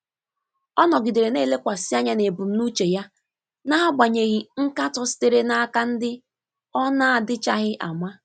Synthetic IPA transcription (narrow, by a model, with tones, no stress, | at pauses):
ɔ˦nɔ˨ɡi˨de˨ɾe˨ne˦˨le˦kʷa˨si˦a˦ɲa˦ne˨bu˨m̩˦nu˦t͡ʃe˨ja˦ | na˦ɦa˦ɡ͡ba˨ɲe˨ɣi˨ŋ̩˦ka˦tɔ˦si̥˦te˨ɾe˦na˦ka˦n̩˦dɪ˦ | ɔ˦na˦a˨dɪ˦t͡ʃa˦ɣɪ˦ʔa̰˨mʷa˦